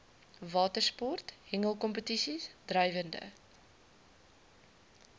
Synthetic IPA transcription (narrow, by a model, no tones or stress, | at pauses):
vɑːtərspɔrthɛŋəlˠkɔmpətisisdrœjvəndə̰